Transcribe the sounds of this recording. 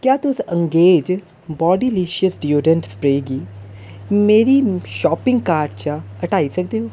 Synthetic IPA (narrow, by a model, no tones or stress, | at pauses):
kjaːt̪ʊsə̃ŋɡeːd͡ʒ | bɔːɖiːliːʃiəsɖioːɖə̃ɳʈspɾeːɡiː | meːɾiːʃɔːpɪ̃ŋɡ̚kaːɾɖt͡ʃa | əʈaːisəkd̪eːɦoː